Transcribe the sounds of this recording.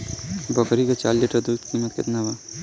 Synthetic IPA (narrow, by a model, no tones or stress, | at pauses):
bɔkɾikat͡ʃa̰ːlːɪʈəɾd̪uːd̪kiːmət̪kɪ̰t̪naba